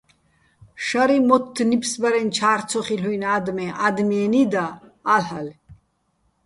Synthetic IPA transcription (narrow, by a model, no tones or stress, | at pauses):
ʃaɾimɔt̪ʰːnipʰsbaɾɛnt͡ʃʰaːɾt͡sʰɔχilujnad̪mɛʔad̪miɛnid̪aːlhal